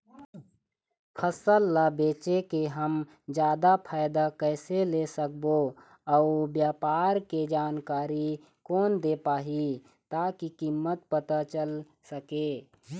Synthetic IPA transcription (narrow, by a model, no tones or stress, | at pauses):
pʰəsəlːabeːt͡ʃekeɦəm | d͡ʒjaːd̪apʰaːɪd̪akəːselesək̚bo | ɔʊbjaːpaːɾked͡ʒaːnkaːɾi | kɔːnd̪epaːɦi | t̪aːkikimːət̪̚pət̪at͡ʃəl | səkeː